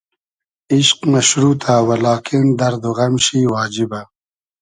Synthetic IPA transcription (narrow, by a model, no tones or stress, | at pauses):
iɕqmɐʃɾuːt̪ʰaːwɐlaːkind̪ɐɾd̪oɣɐmɕiːwaːd͡ʑiba